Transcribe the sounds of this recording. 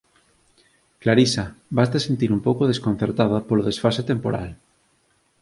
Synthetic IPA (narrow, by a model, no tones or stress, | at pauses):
klaɾisabast̪asent̪iɾumpowkoð̞eskon̟θeɾt̪aðɐpoloð̞esfaset̪empoɾa̰l